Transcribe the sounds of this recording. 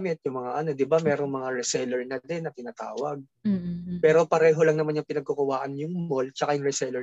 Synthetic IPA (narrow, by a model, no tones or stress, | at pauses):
mɪt̪̚jʊŋmɐŋaʔɐno̞d̪ɪbamɛːɾoŋmɐŋaɾɛsɛlɛɹnɐd̪ɛnːɐt̪ɪnaːt̪a̰ːwɐɡ̚ | pɛːɾo̞pɐɾɛːɦo̞lɐŋnɐmanjʊŋpɪnɐɡ̚kokʊwaːʔɐnjʊŋmolt͡ʃɐkajʊŋɹɛsɛlɛ